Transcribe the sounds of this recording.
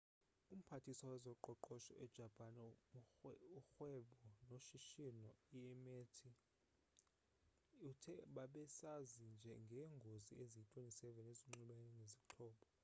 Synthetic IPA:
um̩pʰatʰisawɛzɔǃɔǃɔʃɔʔɛd̥ʒ̥ʱapʰʼanɛ | uxwɛɓɔnoʃiʃinɔiɛmetʰi | utʰɛɓaɓɛsazind͡ʒʱɛŋɡʱeŋɡʱoziʔezitʼwenʼisɛvɛneziŋ͡ǁiɓaɛnɛnʱezikǁʰɔːɓɔ

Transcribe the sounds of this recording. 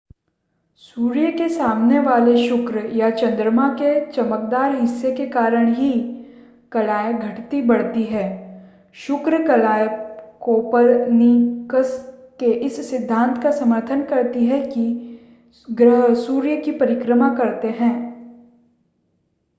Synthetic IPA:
suːɾjəkesaːmneʋaːleʃʊkɾjat͡ʃɐ̃nd̪ɾəmaket͡ʃɐmək̚d̪aːɾɦɪsːekekaːɾəɽ̃ɦi | kɐlaːjəɡʱɐʈt̪ibɐɽ̤t̪iɦɛː | ʃʊkɾkɐlaːjkoːpəɾnikəskeʔɪsːɪd̪ʱːãːnt̪ʰkasɐməɾt̪ʰənkɐɾt̪iɦɛki | ɡɾəɦsuːɾjəkipɐɾɪkɾəmakɐɾt̪eɦɛ̃ː

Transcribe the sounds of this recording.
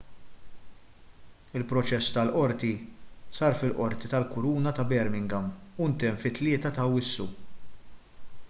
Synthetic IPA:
ɪlpɾɔt͡ʃɛsːt̪ɐlʔɔɾt̪isɐːɾfɪlʔɔɾt̪it̪ɐlkʊɾuːnɐt̪ɐbɛɾmɪŋɡɐmʊnt̪ɛmfɪt̪ːlɪːt̪ɐt̪ɐwɪsːṵ

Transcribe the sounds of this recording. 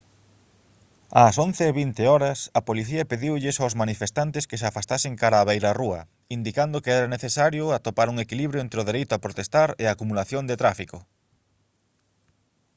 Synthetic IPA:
asõn̟θeːβint̪eɔɾɐsɐpoliθiɐpeðiwʎɪsawsmanifest̪ant̪ɪskeseafast̪asɪŋkaɾaːβejɾɐruɐ | ind̪ikand̪ʊkeɛɾɐneθesaɾjʊat̪opaɾuŋekiliβɾjoɛnt̪ɾeʊð̞eɾejt̪ʊapɾot̪est̪aɾeaːkumulaθjond̪et̪ɾafikʊ

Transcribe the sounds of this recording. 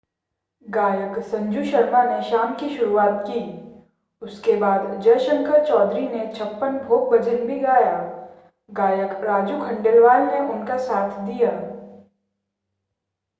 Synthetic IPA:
ɡaːjəksɐ̃ɲd͡ʒuʃəɾmaneʃaːmkiʃʊɾuaːt̪̚ki | ʊskebaːd̪d͡ʒɐjʃə̃ŋkəɾt͡ʃɔːd̪ɾinet͡ʃʰɐpːənbʱoːɡ̚bɐd͡ʒənbʱiɡaːjaː | ɡaːjəkɾaːd͡ʒukʰɐ̃ɳɖəlʋaːlneʊnkasaːt̪ʰd̪ijaː

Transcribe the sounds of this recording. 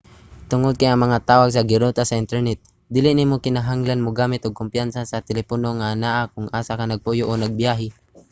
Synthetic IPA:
t̪ʊŋʊd̪̚kajɐŋmɐŋat̪aːwaɡs̬ɐɡɪɾot̪asɐʔɪnt̪ɛɹnɛt̪̚ | d̪ɪːlɪnɪmokɪnaɦaŋlanmoɡaːmɪt̪oɡ̚kʊmpjansasɐt̪ɛlɛponoŋanaːʔakʊŋʔaːsakanɐɡ̚pujoʔonɐɡ̚bjaːɦɪ

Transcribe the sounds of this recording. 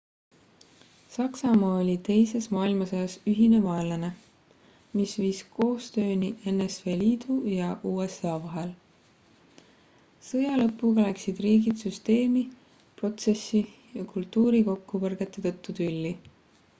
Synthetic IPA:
sɑksɑmɑːolʲit̪e̞jse̞smɑːilmɑsojɑsyɦine̞mɑelɑne̞ | misviːsko̞ːst̪ø̞ːnie̞nːesfe̞ːliːd̪̥ujɑʔuːe̞sɑːvɑɦe̞l | sɤjɑlɤ̞pːˑuɡ̥ɑlæksid̪̥riːɡid̪syst̪e̞ːmi | pro̞t̪se̞sːijɑkult̪ˑːuːɾiko̞kːupɤrɡ̥e̞t̪ːˑe̞t̪ɤ̞t̪ːut̪ylːi

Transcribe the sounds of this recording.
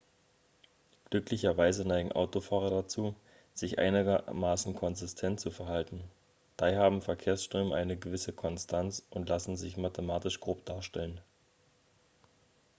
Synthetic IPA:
ɡ̥lʏklɪçɐvaɪzənaɪɡŋ̩ʔa̰ʊtofaːʁ̞ɐdat͡suː | z̥ɪçʔa̰ɪnɪɡɐmaːsn̩kʰɔnzɪstʰɛntt͡sufɛɐhaltn̩ | d̥aɪhaːbm̩fɛɐkʰeːɐsʃtʁ̥øːməʔaɪnəɡəvɪsəkʰɔnstʰant͡sʔʊntlasn̩zɪçmatʰəmaːtɪʃɡ̥ʁoːp̚d̥aːɐʃtɛlən

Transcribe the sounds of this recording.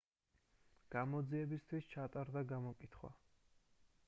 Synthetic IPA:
ɡ̥amɔd̪ziɛbist̪ʰwist͡ʃʰat̪ʼaɾd̪aɡamɔkʼit̪ʰχwa̰

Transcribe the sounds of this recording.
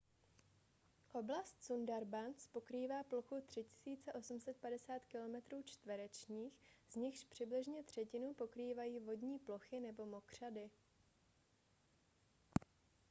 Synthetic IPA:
ʔo̞blast̪sundaɾbant͡spo̞kɾiːvaːploxut̪r̝̥ɪcɪ̥siːt͡sɛʔo̞sum̩sɛt̪̚padɛsaːt̪kɪlo̞mɛt̪ɾuːt͡ʃt̪vɛɾɛt͡ʃɲiːxz̥ɲɪxʃpr̝̥ɪblɪʒɲɛt̪r̝̥ɛcɪnupo̞kɾiːvajiːvo̞dɲiːplo̞xɪnɛbo̞mo̞kr̝̥adɪ

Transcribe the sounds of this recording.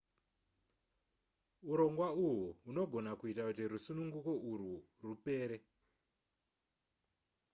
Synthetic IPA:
uɾo̞ŋɡwauɦuuno̞ɡʱo̞nakuitakutiɾusunuŋɡuko̞ʔuru | rupe̞ːɾe

